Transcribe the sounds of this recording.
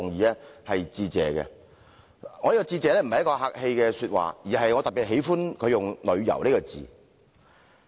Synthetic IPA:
ʊ˨ŋjiː˧lɛ˥hɐ˨jt͡siː˧t͡sɛ̰ː˨˧kɛ̰˧ | ŋɔː˨˧liː˥kɔː˧t͡siː˧t͡sɛː˨˧lɛ˥m̩˨˩hɐ˩jkɔː˧ɦaː˧k̚he˧jkɛː˧syː˧t̚wa̰ː˨jiː˨˩ɦɐ˨jŋɔː˨˧t̪ɐ˨p̚i˨˩t̚ɦe˨˥jfuː˥nkʰɵ˨˧ɥjʊ˨ŋlɵ˨˧ɥjɐ̰˨˩wneː˥kɔ˧t͡sḭː˨˩

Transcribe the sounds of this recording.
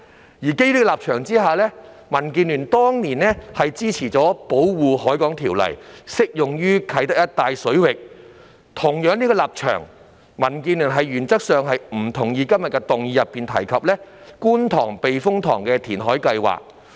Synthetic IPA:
jiː˨˩ke˥jliː˥˧laː˨p̚t͡ʃʰœː˨˩ŋt͡siː˥ɦaː˨˧lɛː˥ | mɐ˨˩nkiː˧nlyː˨˩nt̪ɔː˥ŋniː˨˩nlɛ˥hɐ˨jt͡siː˥t͡sʰiː˨˩t͡sɔː˨˥po˨˥wwuː˨˧hɔː˨˥jkɔː˨˥ŋt̪ʰiː˨˩wlɐ̰˨˩jsɪ˥k̚jʊ˨ŋjyː˥kʰɐ˨˥jt̪ɐ˥k̚jɐ˥t̚t̪aː˨˧jsɵ˨˥ɥwɪ˨k̚ | t̪ʰʊ˨˩ŋjœː˨˥ŋniː˥ɡɔː˧laː˨p̚t͡ʃʰœ̰ː˨˩ŋ | mɐ˨˩nkiː˧nlyː˨˩nɦɐ˨jɥyː˨˩nt͡sɐ˥k̚sœː˨ŋɦɐ˨jm̩˨˩t̪ʰʊ˨˩ŋjiː˧kɐ˥mjɐ˨t̚kːɛ˧t̪ʊ˨ŋjiː˨˧jɐ˨pːiː˨nt̪ʰɐ̰˨˩jkʰɐ˨p̚lɛː˥kuː˥nt̪ʰɔ̰ː˨˩ŋpe˨jfʊ˥ŋt̪ʰɔː˨˩ŋkɛː˧t̪ʰiː˨˩nɦɔː˨˥jkɐ˧jwa̰ː˨˩k̚

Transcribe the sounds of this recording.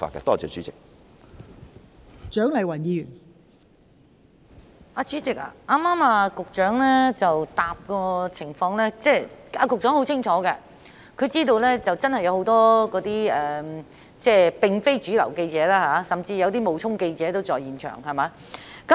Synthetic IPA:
fa̰ː˧kɐ̰˧t̪ɔː˥t͡ʃœː˨˧t͡ʃyː˨˦t͡sɪ˨k̚ | t͡ʃœː˨˥ŋlɐ˨˩jwɐ˨˩njiː˨˧jyː˨˩n | ʔaː˧t͡ʃyː˨˥t͡sɪ˨k̚a̰ː˨ʔaː˥maː˥maː˧kʊ˨k̚t͡ʃœː˨˥ŋlɛː˥t͡sɐ˨wt̪aː˨p̚kɔː˧t͡sʰɪ˨˩ŋfɔː˧ŋlɛː˥t͡sɛː˥˩aː˧kʊ˨k̚t͡ʃœː˨˥ŋho˨˥wt͡sʰɪ˥ŋt͡ʃʰɔː˨˥kɛ˧ | kʰɵ˨˧jt͡siː˥t̪̬o˧wlɛː˥t͡sɐ˨wt͡sɐ˥nhɐ˨jɐ˨˧who˨˥wt̪ɔː˥kɔː˨˥t̪iː˥ɛː˨ | t͡sɛː˥˩pɪ˨ŋfe˥jt͡ʃyː˨˥lɐ̰˨˩wke˧jt͡sɛː˨˥laː˥haː˨˧˥sɐ˨˩mt͡siː˧jɐ˧wt̪iː˥mo˨˧wt͡sʰʊ˥ŋke˧jt͡sɛː˨˥t̪o˥wt͡sɔː˨jiː˨nt͡ʃʰœ̰ː˨˩ŋhɐ˨˩maː˨˧˥ | kɐ˦˥

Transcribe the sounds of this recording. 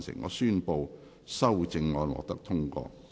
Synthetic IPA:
nsɪ̰˨˩ŋɔ̰ː˨˧syː˥npo˧w | sɐ˥wt͡sɪ˧ŋːɔː˨˧nwɔ̰ː˨k̚t̪ɐ˥k̚t̪ʰʊ˥ŋkɔ̰ː˧

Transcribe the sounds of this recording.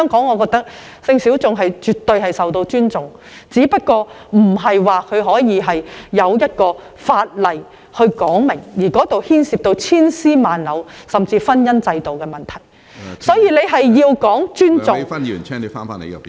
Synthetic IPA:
hœ˥ŋkɔː˨˥ŋɔː˨˧kɔː˧k̚t̪ɐ˥k̚ | sɪ˧ŋsi˨˥wt͡sʊ˨ŋɦɐ˨jt͡ʃyː˨˩t̪ːɵ˧ɥɦɐ˨jsɐ˨wt̪o˧wt͡ʃyː˥nt͡sʊ˨ŋ | t͡siː˨˥pɐ˥t̚kɔː˧ | m̩˨˩ɦɐ˨jwaː˨kʰɵ˨˧ɦɔː˨˥jiː˨˧ɦɐ˨jːɐ˨˧wjɐ˥t̚kɔː˧ | faː˧t̚lɐ˨j | hɵ˧ɥkɔː˨˥ŋmɪ˨˩ŋjiː˨˩kɔː˨˥t̪o˨whiː˥nsiː˧p̚t̪o˧wt͡sʰiː˥nsiː˥maː˨nlɐ˨˧wsɐ˨mt͡siː˧fɐ˥njɐ˥nt͡sɐ˧jt̪o˨wkɛː˧mɐ˨nt̪ʰɐ˨˩j | sɔː˨˥jiː˧le˨˧jɦɐ˨jːiː˧wkɔː˨˥ŋt͡ʃyː˥nt͡sʊ˨ŋɐ˥ny̰ː˨˩nt͡ʃʰɛ˥ne˨˧fa̰ː˥nfa̰ː˥nḛ˨˧jɐ̰˨

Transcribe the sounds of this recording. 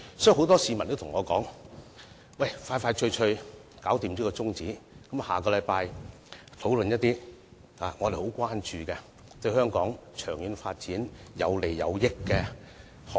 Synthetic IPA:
sɔː˨˦˥ji˨˩ɦo˨˥wt̪ɔː˥siː˧mɐ˨nt̪tʰʊ˨˩ŋɔː˨˧kɔː˨˥ŋ | wɐ˥˨˩jfaː˧jfaː˧jt͡ʃʰɵ˧ɥt͡ʃʰɵ˧kaː˨˥wt̪iː˨mliː˥kɔː˧t͡sʊ˥ŋt͡siː˨˥kɐ˨˥mhaː˨˩kɔː˧lɐ˨˧jpaː˧j | t̪ʰo˨˥wlɵ˨njɐ˥t̚t̪iː˥ | haː˨ŋɔː˨˧ɾe˨ho˨˥wkʷaː˥nt͡ʃyː˧kɛ˧ | t̪ɵ˧ɥhœː˥ŋkɔː˨˥ŋt͡ʃʰœː˨˩ŋjyː˨˧nfaː˧t̚t͡siː˨˥njɐ̰˨˧wle˨˩jːɐ̰˨˧wjɪ˥kːɛː˧ | h

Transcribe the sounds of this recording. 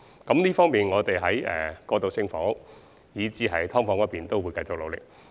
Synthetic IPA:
kɐ˨˥mliː˥fɔː˥ŋmiː˨nŋɔː˨˧t̪e˨jɦɐ˨˥jɛ̰ː˨˩kɔː˧t̪o˨˧wsɪ˥ŋfɔː˨˥ŋ | jiː˨˧t͡siː˨˥ɦɐ˨˥jt̪ʰɔː˥ŋfɔː˧˥ŋɐ˥piː˨nt̪o˥wuː˨˧jkɐ˧jt͡sʊ˨k̚lo˨˧wlɪ˨k̚

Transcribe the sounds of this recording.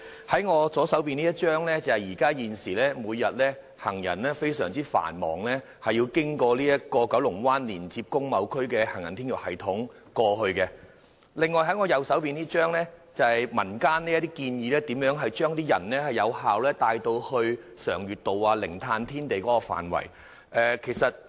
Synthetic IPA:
hɐ˨˥jŋɔː˨˧sɔː˨˥sɐ˨˥wpiː˨niː˥jɐ˥t̚t͡ʃœː˥ŋlɛː˥t͡sɐ˨˩hɐ˨jiː˨˩kaː˥jiː˨nsiː˨˩lɛː˥muː˨˧jːɐ˨t̚lɛː˥ | hɐ˨˩ŋjɐ̰˨˩nlɛː˥fe˥jsœː˨˩ŋt͡siː˥fa̰ː˨˩nmɔ̰ː˨˩ŋlɛː˥ | hɐ˨jːiː˧wkɪ˥ŋkɔː˧liː˥jɐ˥t̚kɔː˧kɐ˨˥wlʊ˨˩ŋwaː˥nliː˨˩nt͡siː˧p̚kʊ˥ŋmɐ˨˧wkʰɵ˥ɥkɛː˧hɐ˨˩ŋjɐ˨˩nt̪ʰiː˥nkɪ˨˩hɐ˨jt̪ʰʊ˨˥ŋ | kɔː˧ɦɵ˧ɥkɛ˧ | lɪ˨ŋːɔː˨˧jɦɐ˨˥ŋɔː˨˧jɐ˨˧wsɐ˨˥wpiː˨nt̪iː˥t͡ʃœː˥ŋlɛː˥t͡sɐ˨˩hɐ˨jmɐ˨˩nkaː˥nli˥ɐ˥t̪̬iː˥kiː˧njiː˨˧lɛː˥t̪iː˨˥mjœː˨˥ŋɦɐ˨jt͡ʃœː˥ŋt̪iː˥jɐ˨˩nlɛ˥hɐ˨jɐ˨˧whaː˨wlɛː˥t̪aː˧jt̪o˧whɵ˧ɥsœ̰ː˨˩ŋjyː˨t̚t̪o˨waː˧lɪ˨˩ŋt̪ʰaː˧nt̪ʰiː˥nt̪e˨jkɔː˨˦˥kɔ˧fa̰ː˨˩nwɐ̰˨˩j | ʔɛː˧kʰe˨˩jsɐ˨t̚

